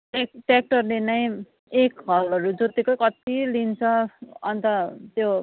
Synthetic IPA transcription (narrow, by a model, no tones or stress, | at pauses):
ʈekʈek̚ʈʌrlenʌj̃ | ekɦʌlʌɾud͡zʌt̪ikʌkʌt̪ilint͡sʰʌʌnt̪ʌt̪jo